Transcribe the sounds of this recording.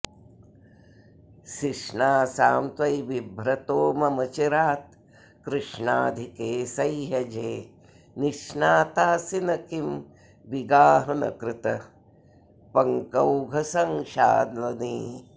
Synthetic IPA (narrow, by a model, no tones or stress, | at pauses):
ʃiʃɳaːsaːmt̪ʋɐjʋibʱɾɐt̪oːmɐmɐt͡ʃiɾaːt̪ | kɾɪʂɳaːd̪ʱikeːsɐjɦɐd͡ʒeː | niʃnaːt̪aːsinɐkim | ʋiɡaːɦɐnɐ̰kɾɪt̪ɐ | pɐŋkɐwɡʱɐsɐŋʃa̰ːd̪lɐniː